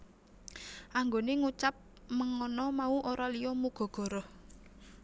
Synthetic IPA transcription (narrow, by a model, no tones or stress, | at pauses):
ʔaŋɡoneŋut͡ʃap̚ | məŋɔnɔmauʔoɾɔlijɔmuɡ̥ɔ̤ɡ̥ɔ̤ɾɔh